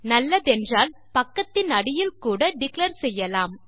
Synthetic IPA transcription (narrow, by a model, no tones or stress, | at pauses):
nɐlːɐðɛndraːl | pɐkːɐt̪ːɪnɐɽɪjɪlkuːɽɐɖɪkleːɾsɛjːɐlaːm